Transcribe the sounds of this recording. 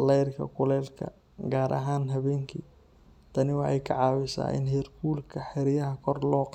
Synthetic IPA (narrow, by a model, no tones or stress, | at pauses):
lɛjrkʰɐ̰kʰʊlɛːlkʰɐ̰ | ɡaːɾʔɐ̰ɦaːnɦɐβɛːŋkʰḭː | t̪ʰɐnɪwɑħɑjkʰɐ̰ʕɑːwɪsa̰ːʔɪ̰nɦɛːrkʰuːlkʰɐħɛɾɪjɐɦɐkʰɔrlɔːq